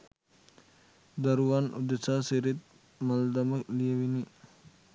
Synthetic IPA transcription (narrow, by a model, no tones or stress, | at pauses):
d̪ɐɾuʋanṵd̪esaseɾit̪̚ | mɐld̪ɐməklijəʋini